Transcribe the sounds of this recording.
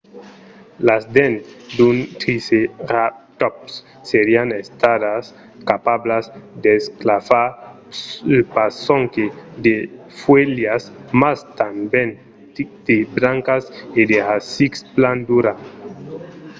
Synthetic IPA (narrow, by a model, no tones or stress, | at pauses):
lazd̪end̪unt̪ɾiseɾap̚t̪ɔpsː | eɾianest̪adas | kapablazd̪esklafa | pasoŋked̪e | fweljasmast̪amben | d̪̥ebɾaŋkased̪easikspland̪uɾa